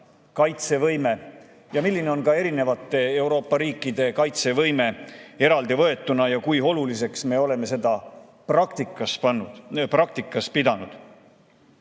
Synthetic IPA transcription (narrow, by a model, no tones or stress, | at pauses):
kɑjt̪se̞vɤjme̞ | jɑmilːine̞o̞nkɑe̞ɾine̞vɑt̪ːˑe̞e̞wɾo̞ːpːɑɾiːkːˑid̪̥e̞kɑjt̪se̞vɤ̞jme̞e̞ɾɑld̪ivɤ̞e̞t̪ːˑunɑjɑkujo̞lulise̞ksme̞o̞le̞me̞se̞d̪ɑ | pɑkt̪ikɑs | prɑk̚t̪ikːˑɑspid̪̥ɑnud̪̥